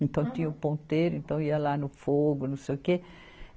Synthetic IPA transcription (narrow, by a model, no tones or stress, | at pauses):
ẽnt̪ɐ̃w̃t̪ĩɲɐʊpõnt̪ejɾʊẽnt̪ɐ̃w̃iɐlanʊfoɡʊnɐ̃w̃sejʊke